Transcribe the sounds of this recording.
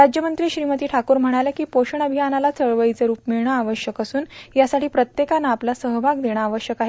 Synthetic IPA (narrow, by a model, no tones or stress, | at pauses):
ɾad͡ʑjəmənt̪ɾiːɕɾimət̪iːʈʰakuːɾm̤əɽ̃alakiːpoɕəɳəbʱijanalat͡səɭʋəjt͡səɾuːpmiɭɳ̃aaʋəɕjəkəsuːnjasaʈʰiːpɾət̪jekanaaplasəɦbʱaɡ̚d̪eɽ̃aːʋəɕjəkaɦe